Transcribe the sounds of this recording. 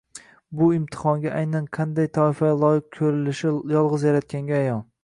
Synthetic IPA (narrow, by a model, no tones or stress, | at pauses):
bʊɪmt̪ʰɪ̥χɒŋɡʲaʔajnanqʰɑnd̪ajt̪ʰɒɪfalˠɒjɪq̚kʲʰɵɾɪlɪʃɪjɒlˠʁɨzjaɾat̪̚kʲaŋɡʲaːjɒnˠ